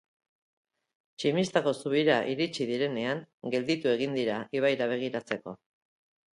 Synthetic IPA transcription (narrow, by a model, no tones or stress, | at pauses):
t͡ʃimist̪ako̞suβ̞iɾaʔiɾit͡ʃiðiɾe̞ne̞aŋɡe̞ld̪it̪ue̞ɣ̞ind̪iɾaʔiβ̞ajɾaβ̞e̞ɣ̞iɾat͡se̞ko̞̰